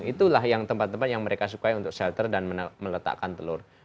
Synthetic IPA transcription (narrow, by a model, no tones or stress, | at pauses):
ŋit̪ulahjaŋt̪əmpat̪ːəmpat̪̚jaŋməɾekas̬ukaiunt̪ʊk̚sɛlt̪ərdanməmələt̪a̰ʔkant̪əlʊr